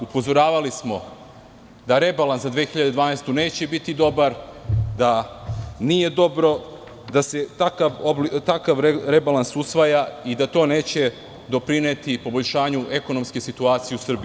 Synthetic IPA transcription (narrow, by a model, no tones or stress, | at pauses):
upo̞zo̞ɾaːʋalismo̞ | d̪aɾe̞balanszad̪ʋeːxiʎad̪ed̪ʋaːnajst̪une̞ːt͡ɕe̞bit̪id̪o̞baɾd̪a | nije̞d̪o̞bɾo̞ | d̪ase̞t̪akaʋoblit̪akaʋɾe̞balansusʋajaid̪at̪o̞ːne̞ːt͡ɕe̞ | d̪o̞pɾine̞t̪ipo̞bo̞ʎʃaːɲue̞ko̞nomske̞sit̪uaːt̪sijeusr̩bi